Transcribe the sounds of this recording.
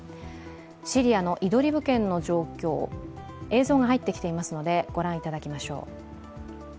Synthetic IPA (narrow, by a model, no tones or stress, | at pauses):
ɕiɾʲiano̞ʔid̪o̞ɾʲibɯ̟kẽ̞nːo̞ʑo̞ːkʲo̞ː | e̞ːzoːɡaɦait̪ːe̞kʲi̥t̪e̞imasɨno̞d̪e̞ɡ̥o̞ɾãɰ̃it̪ad̪akʲimaɕo̞̰ː